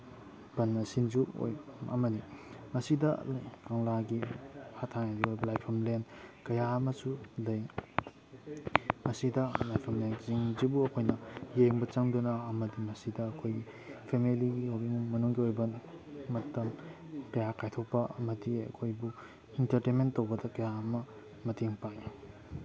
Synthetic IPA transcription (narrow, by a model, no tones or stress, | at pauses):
b̥ɐnːɐsinzuo̰jɐ̰mɐdimɐsidɐ̰kaŋlaɡihatʰaŋaziojbɐlajpʰɐmlenkɐjamɐsulɐj | mɐsidɐlajpʰɐmlenziŋzibuɐkʰojnɐjeŋbɐt͡ʃɐŋdunɐːmɐdimɐsidɐːkʰojɡi | pʰemeliɡioɡiŋmɐnuŋɡiojbɐmɐtɐm | kɐjakajtʰok̚pɐʔɐmɐdiɐ̰kʰojbu | intɐɾtenmentːowbɐdɐkɐjaɐmɐ | mɐteŋpaj